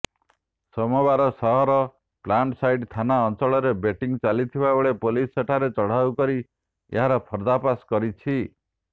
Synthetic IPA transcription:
sɔmɔbaɾɔsɔɦɔɾɔ | plaɳʈsajɖt̪ʰanaɔnt͡ʃɔɭɔɾebeʈiŋt͡ʃalit̪ʰibabeɭepoliseʈʰaɾet͡ʃɔɽ̤aukɔɾi | ḛɦaɾɔpʰɔɾd̪apaskɔɾit͡ʃʰi

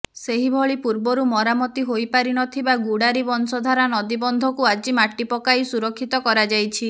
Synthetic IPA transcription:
seɦibʱɔɭipuɾbɔɾumɔɾamɔt̪iɦojpaɾiñɔt̪ʰibaɡuɽaɾibɔnsɔd̪ʱaɾanɔd̪ibɔnd̪ʱɔkuad͡ʒimaʈipɔkaisuɾɔkʰːit̪ɔkɔɾad͡ʒajt͡ʃʰi

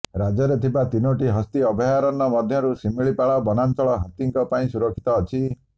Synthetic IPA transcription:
ɾad͡ʒɔɾet̪ʰibat̪inoʈiɦɔst̪iɔbʱɔjaɾɔnɔmɔd̪ʱjɔɾusimiɭipaɭɔbɔnant͡ʃɔɭɔɦat̪iŋkɔpaĩsuɾɔkʰːi̥t̪ɔːt͡ʃʰi

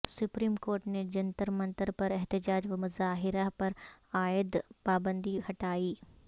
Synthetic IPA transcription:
sʊpɾiːmkoːɾʈned͡ʒɐnt̪əɾmɐ̃nt̪əɾpɐɾɛɦt̪ɪd͡ʒaːd͡ʒʋɐmʊzaːɦɪɾapɐɾaːɪd̪paːbə̃nd̪ihɐʈaːiː

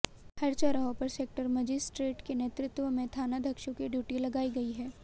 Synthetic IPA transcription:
hɐɾt͡ʃaɾɐɦõpɐɾseːk̚ʈəɾmɐd͡ʒɪsʈɾeːʈkeneːt̪ɾɪt̪wəmẽt̪ʰaːnad̪ʱɐkʃõkiɖjuːʈilɐɡaːiɡɐiɦɛː

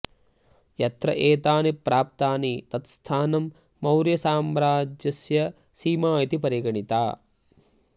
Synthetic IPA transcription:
jɐt̪ɾɐ̰ʔeːt̪aːnipɾaːp̚t̪aːnit̪ɐt̪st̪ʰaːnɐmː | ɐwɾjɐsaːmɾaːd͡ʒjɐsjɐ | siːmaːjit̪ipɐɾiɡɐɳit̪a̰ː

